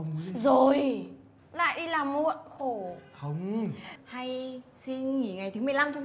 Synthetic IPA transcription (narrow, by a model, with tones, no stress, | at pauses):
zo˨˩j | la̰ː˧˨jɗi˧laː˨˩mːu˧˨əʔxo˧˩xə˧wŋ͡mha˧jsi˧nŋi˧˩ŋa˨˩jt̪ʰɨ˨˦mɨ˨˩əjla˧mt͡ɕɔ˧ŋ͡m